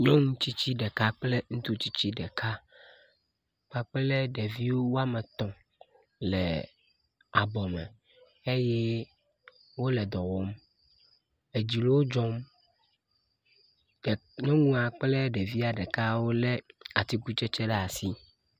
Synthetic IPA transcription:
ɲɔ̃˦ŋũ˦t͡ɕi˦t͡ɕi˦ɖɛ˨ka˦k͡ple˦ŋũ˦t̪u˦t͡ɕi˦t͡ɕi˦ɖɛ˨kʰa˦ | k͡pa˨k͡plɛ˦ɖe˨vi˦wo˦wo˦a˦me˨t̪ɔ̃˨ | lɛ̰˨ | a̰˨bɔ˨mɛ̰̃˨ | e˦jɛ˦ | wo˦lɛ˨d̪ɔ˨wɔ˦m | e˨d͡ʑi˨lo˦wo˦d͡ʒɔ̃˦m˨ | nɔ̃˦ŋũ˦a˨k͡plɛ˦ɖe˨vi˦a˨ɖɛ˨ka˦wo˦lɛ˦a˨t̪i˦ku˦t͡ʃɛ˦t͡ʃɛ˦ɖɛ˦a˨si˦

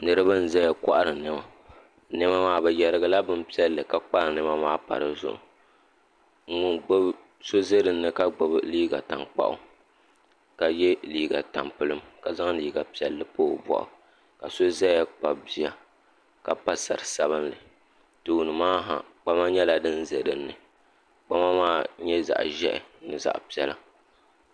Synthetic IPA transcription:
nɨ˦ɾɨ˦bɨ˦n̩˨za˦jɛ˨ka˦ʔa˦ɾɨ˨nɨ˨ma˨˦ | nɨ˦ma˦maː˦bɛ˨jɛ˨ɾɨ˦ɡa˨la˦bɨ˦mpi˦ɛ˦lːɨ˨ka˨k͡pa˦ɾɨ˨nɨ˦ma˦maː˦pa̰˨ɾɨ˨zʊ̰˦ʔʊ̰˨ | ŋ̩˦ŋʊ˦nɡ͡bo˦b | so˦ze˦dɨ˨n̩ː˦ɨ˦ka˦ɡ͡bʊ˨bliː˦ɡa̰˨ta˨ŋk͡pa̰˦ʔʊ̰˦ | ka˨jɛ˦liː˦ɡa̰˨ta̰˨mpɨ˦lɨ˦mka˨za˦ŋliː˦ɡa˨pi˨ɛ˨lːɨ˨poː˦˨bɔ̰˨ʔʊ̰˨ | ka˨so˦zɛ˦a˦k͡pa˨bi˦ja˨ | ka˨pa˦sa̰˨ɾɨ˨sa˦βɨ˦nlɨ˨ | tɨ˨wu˨nɨ˨maː˦ɦa̰˨k͡pa˦ma˦ɲɛ˦la˨dɨ˦nze˨dɨ˨n̩ː˦ɨ˨ | k͡pa˦ma˦maː˦ɲɛ˦za̰˨ʔʒɛ̰˦ʔɪ̰˨nɨ˨za̰˨ʔpi˦ɛ˦la˦

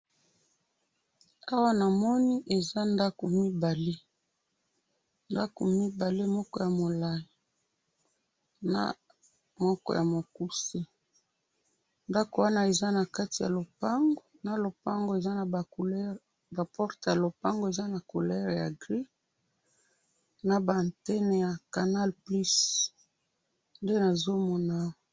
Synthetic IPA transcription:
a˦wa˦na˨mɔ˦ni˦ʔe˨za˦nda˦ko˨mi˦ba˨le˦ | nda˦ko̰˨mi˦ba˨le˦mɔ˦kɔ˦ja˨mo˨la˨ji˨ | na̰˦˨ | mɔ˦kɔ̰˦ja˨mo˨ku˦se˦ | nda˦ko˨wa˦na˦e˨za˦na˨ka˦ti˨ja̰˨lo˨pa˦ŋɡo˨na˨lo˨pa˦ŋɡo˨e˨za˦na˨ba˨o˨lɛ˦ | ba˨pɔ˦ʁta˨lo˨pa˦ŋɡo˨e˨za˦na˨ko˨lɛ˦ʁja˨ɡʁi˦ | na˨ba˨a˨ntɛ˦ne˨ja˨ka˨na˦lpli˦s | nde˦na˨zo˦mɔ˨na˦˨

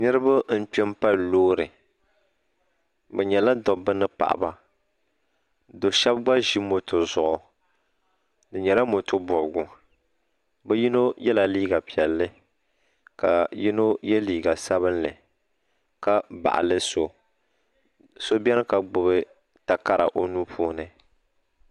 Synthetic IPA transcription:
nɨ˦ɾɨ˦ba˦n̩˦k͡pɛ˦m˦pa˦lloː˦ɾɨ˨ | bɛ˨ɲɛ˨la˦dɔ˨bɨ˦nɨ˦pa̰˨ʔa̰˨ba˨ | do˨ʃɛ˦bɡ͡ba˦ʒi˦mo˨tʊ˨zʊ˨ʔʊ˨ | dɨ˨ɲɛ˨la˦mo˨tʊ˦bɔ˨bɡʊ˨ | bɛ˦ji˦no˦jɛ˦la˨liː˦ɡa˨pi˨ɛ˨lːɨ˦ | ka˨ji˦no˦jɛ˦liː˨ɡa˨sa˦βɨ˦nlɨ˨ | ka˦ba̰˨ʔa̰˨lɨ˦so˨ | so˦bʲɛ˦nɨ˦ka˨ɡ͡bʊ˨bɨ˦ | ta˨ka˦ɾa̰˨ʔo˨nu˦pʰuː˦nɨ˨

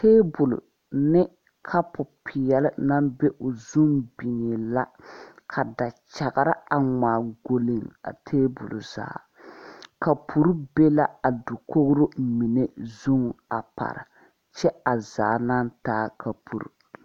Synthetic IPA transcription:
teː˦bʊ˨lʊ̰˨ | nɪ˦ | kʰa˦pʊ˨pʰɪ˨jɛ˦lɪ˦na˦mbe˦ʔʊ˨zu˦ŋbi˨ɲe˨la˦kʰa˨da˨t͡ʃa˨ɣa˨ɾa˦a˨ŋaː˨ɡo˨li˨ŋa̰˨tʰeː˦bʊ̰˨lʊ̰˨za̰ː˨ | ka˨pʰu˨ɾu˦be˦la˦a˨du˨ko˦ɡʊ˦ɾo˦mi˨ne˦zu˦ŋa̰˨pa̰˨ɾɨ̰˨ | t͡ʃɛ˦a˨zaː˨na˦ntaː˦kʰa˨pʰṵ˨ɾṵ˨

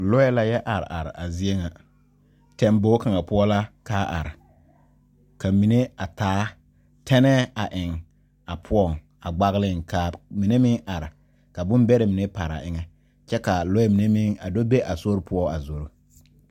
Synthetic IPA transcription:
lɔ˦jɛ˦la˦jɛ˦ʔa˨ɾ̰ʔa˨ɾɪ̰˨a˨zi˦e˦ŋa˨ | tɛ˦mbo˦ka˨ŋa˨pʊ˦ɔ˦la˦kaː˦ʔa̰˨ɾɪ˨ | ka˨mi˨ne˦a˨taː˨˦ | tʰɛ˦nɛː˦a˨ʔɪ˨ŋ | a˨pʰʊ˦ɔ˦˨ŋ˨ | a˨ɡ͡ba˦ɣlɪ˦˨ŋkʰa˨mi˨ne˦mɪ˦ŋʔa˨ɾɪ˨ | ka˨bʊ˦mbɛ˦ɾɛ˨mi˨ne˦pa˨ɾa̰˨ʔɪ˦ŋɛ˦ | t͡ʃɛ˦ka˨lɔ˦ɛ˦mi˨ne˦mɪ˦ŋa̰˨do˦be˦ʔa˨so˦ɾpʰʊ˦ɔ˦a˨zo˨ɾo˨

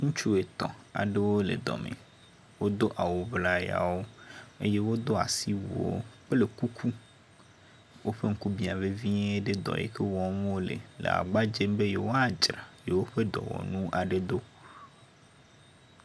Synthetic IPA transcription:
ŋũ˦t͡ʃu˦e˨t̪ɔ̰̃˨a̰˨ɖe˦wo˦le˨d̪ɔ̰˨mḛ̃˨ | wo˦d̪o˦ʔa˨wo˨vla˦ja̰˨wo˦ḛ˦je˦wo˦d̪o˦a̰˨si˦wu˨o̰˦k͡ple˨ku˦kʰu˦ | wo˦ɸe˦ŋ̩˦ku˦bi˦a˨ve˦vi˦ɲe˦e˦ɖe˦d̪ɔ̰˨jḛ˦ke˦wɔ˦m˦wo˦lḛ˨lḛ˨a̰˨ɡ͡ba˦d͡ʒe˦mbe˦je˨wo˦a˨d͡ʒɾa˨je˨wo˦ɸe˦d̪ɔ̰˨wɔ̰˨nũ˦ʔa˨ɖe˦d̪o˦

